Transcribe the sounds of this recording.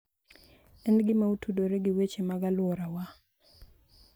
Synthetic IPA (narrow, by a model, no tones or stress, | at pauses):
ɛnɡɪmautʰudoɾeɡɪwet͡ʃemaɡalwɔɾawa